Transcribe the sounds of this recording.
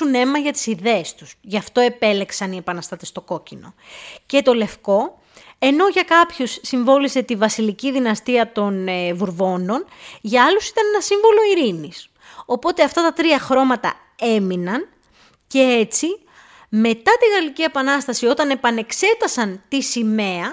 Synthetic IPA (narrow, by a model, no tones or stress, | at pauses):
une̞mɐʝɐt̪i̥siðe̞est̪u̥sʝɐft̪o̞e̞pe̞le̞ksɐnie̞pɐnɐst̪ɐt̪e̞st̪o̞ko̞cino̞̰ce̞t̪o̞le̞fko̞ | e̞no̞ʝɐkɐpçosːiɱvo̞lise̞t̪ivɐsiliciðinɐst̪iɐt̪o̞nvuɾvo̞no̞nʝɐɐlusi̥t̪ɐne̞nɐsiɱvo̞lo̞iɾinis | o̞po̞t̪e̞ɐft̪ɐt̪ɐt̪ɾiɐxɾo̞mɐt̪ɐ̰ | e̞minɐn | ce̞e̞t͡si | me̞t̪ɐt̪iɣɐlicie̞pɐnɐst̪ɐsio̞t̪ɐne̞pɐne̞kse̞t̪ɐsɐnt̪isime̞ɐ